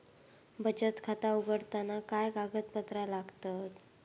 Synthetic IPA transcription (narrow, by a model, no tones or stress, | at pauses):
bʱəd͡ʑət̪kʰat̪auɡəɽt̪anakajɡaɡət̪̚pət̪ɾalaɡt̪at̪